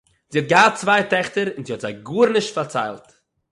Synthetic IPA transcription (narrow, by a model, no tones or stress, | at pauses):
z̥iːɔt̚ɡaːt͡svaɪtɛχtəɾɪnziːhɔtzaɪɡuːɾnɪʃtfaɾt͡sa̰ɪlˠt